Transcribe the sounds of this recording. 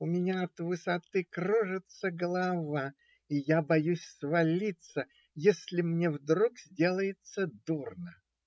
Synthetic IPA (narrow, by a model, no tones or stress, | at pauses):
ʊmʲɪnʲaɐt̪vɨsɐt̪ɨkrɾoʐɨt̪səɡəlˠɐva | ijabɐjusʲsvɐlʲit̪sə | jesʲlʲɪmnʲevd̪ɾukzʲdʲelˠəjɪt̪səd̪urnə